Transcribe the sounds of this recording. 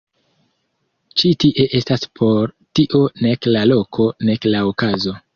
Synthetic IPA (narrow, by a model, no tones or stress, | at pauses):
t͡ʃitiʔe̞ʔe̞staspʰo̞ɾ | tiʔo̞ne̞klalo̞kʰo̞ne̞klaokazo̞